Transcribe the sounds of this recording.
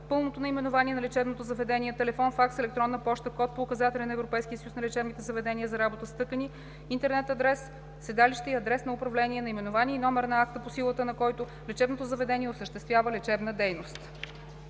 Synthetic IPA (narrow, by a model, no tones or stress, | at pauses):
pɤlˠnot̪onɐimɛnovaniɛnɐlɛt͡ʃɛbnot̪ozɐvɛd̪ɛnʲiɛt̪ɛlɛfɔnfaksɛlɛk̚t̪ɾɔnːəpɔʃt̪əkɔt̪̚poːkɐzat̪ɛlʲɛnɐɛvɾopɛjsk̟iəsəjusnɐlɛt͡ʃɛbnit̪ɛzɐvɛd̪ɛniəzɐɾabot̪əst̪ɤkəni | int̪ɛɾnɛt̪ɐd̪ɾɛsː | ɛd̪aliʃt̪ɛiɐd̪ɾɛsnɐʊpɾɐvlɛnʲiɛnɐimɛnovaniɛinɔmɛɾnɐak̚t̪əposilˠət̪ənɐkɔjt̪ʊ | lɛt͡ʃɛbnot̪ozəvɛd̪ɛniɛʊsəʃt̪ɛst̪vʲjavəlɛt͡ʃɛbnəd̪ɛjnost̪